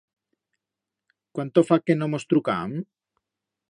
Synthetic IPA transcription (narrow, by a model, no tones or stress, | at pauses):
kwant̪ofakenomost̪ɾuka̰m